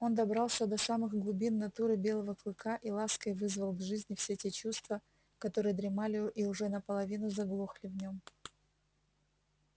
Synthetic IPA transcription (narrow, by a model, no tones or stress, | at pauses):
o̞nd̪ɐbɾɑlˠsʲəd̪ɐsamɨxɡlˠʊbʲinːɐt̪uɾɨbʲe̞lˠəvəklˠɨkaʔilˠaskəjvɨzvəlˠɡʐɨzʲnʲɪfsʲetʲe̞t͡ɕust̪və | kɐt̪o̞ɾɨjəd̪ɾʲɪmalʲɪʔiʊʐɛnəpəlˠɐvʲinʊzɐɡlˠoxlʲɪvnʲo̞m